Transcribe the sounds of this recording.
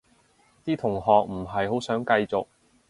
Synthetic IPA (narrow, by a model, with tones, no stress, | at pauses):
t̪iː˥t̪ʰʊ˨˩ŋɦɔː˨k̚m̩˨˩ɦɐ˨jɦo˨˥wsœː˨˥ŋkɐ˧jt͡sʊ˨k̚